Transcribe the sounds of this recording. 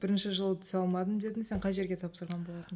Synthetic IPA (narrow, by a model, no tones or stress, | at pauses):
b̥ɪɾɪnʃɪʒəlˠət̪ʰʏ̥sɑlˠmɑd̪əmd̪e̞d̪ɪnse̞ɴqʰɑjʒe̞ɾɡʲe̞t̪ʰɑpsəɾʁɑnbolˠɑt̪əm